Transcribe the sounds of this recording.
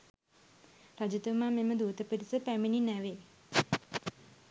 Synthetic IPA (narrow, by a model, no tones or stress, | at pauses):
rad͡ʒit̪ʋmaːmeməd̪uːt̪əpəɾisəpæmininæʋeː